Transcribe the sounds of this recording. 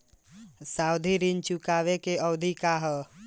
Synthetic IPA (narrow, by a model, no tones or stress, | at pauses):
sawd̪ʱiɾint͡ʃukaːʋekeəwd̪ʱikaɦ